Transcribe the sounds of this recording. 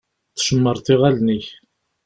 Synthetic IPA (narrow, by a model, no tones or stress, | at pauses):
θʃəmːəɾˤθɪʁælniç